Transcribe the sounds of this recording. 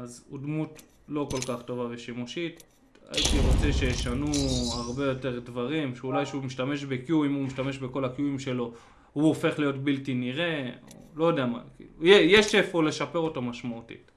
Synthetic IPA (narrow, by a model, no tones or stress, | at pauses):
azudmut | lo̞ko̞lkaχto̞vaveʃimuʃit | a̰itiʁo̞t͡se̞ʃejeʃanuaʁbe̞jo̞te̞ʁdvaʁimʃeulajʃeumiʃtame̞ʃbe̞kjuimumiʃtame̞ʃbe̞ko̞lakijuimʃe̞lo̞ | huofe̞χlijo̞tbiltiniʁe̞o̰lo̞jodejama̰kḭːlujejeʃefole̞ʃape̞ʁo̞tamaʃmautḭt